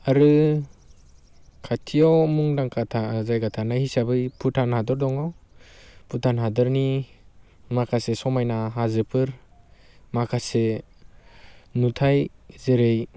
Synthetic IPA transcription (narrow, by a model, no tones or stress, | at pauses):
aɾɯ | kʰatʰijɔwmuŋdaŋkʰatʰazajɡatʰanahisabɯjpʰutʰanhadɔɾdɔŋaw | pʰutʰanɦadɔɾni | makʰasesɔmajnaɦazɯpʰɯɾ | makʰase | nutʰajzeɾej